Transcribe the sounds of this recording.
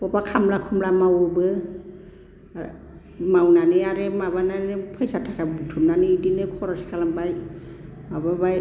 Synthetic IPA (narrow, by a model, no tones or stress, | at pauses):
pɔpakʰamlakʰumlamawɯbɯ | mawnanɯaɾemabananɯpʰɯjsatʰakʰabutʰumnanɯidinɯkʰɔɾaskʰalambaj | mababaj